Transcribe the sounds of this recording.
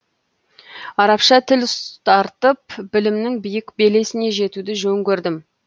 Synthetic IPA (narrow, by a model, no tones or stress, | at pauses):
ɑɾɑpʃɑt̪ʰɪlst̪ʰɑɾt̪əpbɪlɪmnɪŋbijɪkbe̞le̞sɪne̞ʒe̞t̪ud̪ɪʒɵŋkʲɵɾd̪ɪm